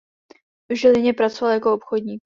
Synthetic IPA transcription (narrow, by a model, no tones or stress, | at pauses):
ʒɛlɪɲɛpɾat͡sovaljako̞opxodɲiːk